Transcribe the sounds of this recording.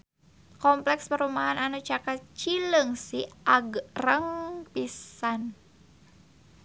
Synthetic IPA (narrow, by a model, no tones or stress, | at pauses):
kɔmplɛkspəɾumaɦananut͡ʃakat͡ʃiləŋsiʔaɡrəŋpisan